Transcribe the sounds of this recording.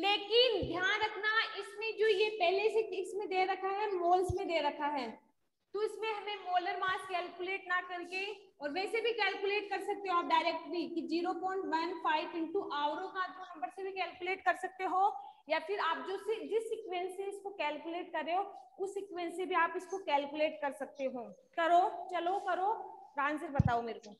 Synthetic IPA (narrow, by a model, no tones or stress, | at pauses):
leːkɪnd̪ʱjaːnɾɐkʰnaɪsmẽd͡ʒoːjepɛɦleseɪsmẽd̪eːɾɐkʰaɦɛmoːlsmẽd̪eːɾɐkʰaɦɛː | t̪oɪsmẽɦɐmẽmoːləɾmaːskɛːlkʊleːʈnakɐɾkeɔːɾʋɛ̃ːsebʱikɛːlkʊleːʈkɐɾsɐk̚t̪eɦõaːp̚ɖaːɪɾɛːk̚ʈɾikid͡ʒiːɾopɔ̃ːɪ̃ɳʈʋɐnfaːɪpɪ̃ɳʈuʔaːʋɾõkãt̪onɐ̃mbəɾsebʱikɛːlkʊleːʈkɐɾsɐk̚t̪eɦoː | jaːfɪɾaːp̚d͡ʒoːsed͡ʒɪsːiːkʋẽnseɪskokɛːlkuleːʈ̚kɐɾːeoʊsːɪkʋɛ̃nsebʱiaːpɪskokɛːlkuleːʈkɐɾsɐk̚t̪eɦõː | kɐɾoːt͡ʃɐlokɐɾoːɾãːnsɪɾbɐt̪aːomeːɾkoː